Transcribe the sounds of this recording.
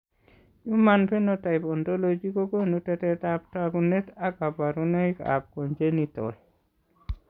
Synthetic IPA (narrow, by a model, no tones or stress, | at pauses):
jumanpɛnɔtajpɔntolod͡ʒikokonutɛtɛtap̚takunet̪akapaɾunaika̰p̚kɔnd͡ʒenitɔ̰l